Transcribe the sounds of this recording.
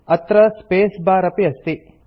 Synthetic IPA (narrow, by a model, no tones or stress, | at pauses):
ɐt̪ɾɐspeːsbaːɾɐpiɐst̪i